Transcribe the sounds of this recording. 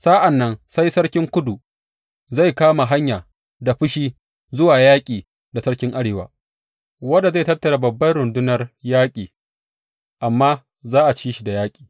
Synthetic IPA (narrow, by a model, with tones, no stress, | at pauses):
sa˦ʔa˨nːɐ˦nsa˦jsɐ˦ɽkʲɪ˦ŋkʷʊ˦du˨ | za˦˨jkaː˦ma˨ɦa˦ɲjaː˨ | da˨ɸɪ˦ʃiː˦ | zʊ˦waː˨jaː˦kʲʼiː˨ | da˨sɐ˦ɽkʲɪ˦ŋʔa˦ɽeː˨wa̰ː˨ | wɐ˦da˨za˦˨tɐ˦rtɐ˨ɽa˦bɐ˨bːɐ˦jɽʊ˨ndʊ˦nɐ˨rjaː˦kʲʼiː˨ | ʔa˨mːaː˦ | zaː˦ʔa˨t͡ʃiː˦ʃi˨da˨jaː˦kʲʼi̥ː˨